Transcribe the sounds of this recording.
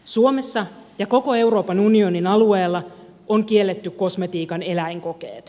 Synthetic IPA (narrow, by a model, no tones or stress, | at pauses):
suome̞sːɑjɑko̞ko̞e̞wro̞ːpɑnunioninɑlueːlːɑ | oŋkie̞lːet̪ːykko̞sme̞t̪iːkɑne̞læiŋko̞kḛːt̪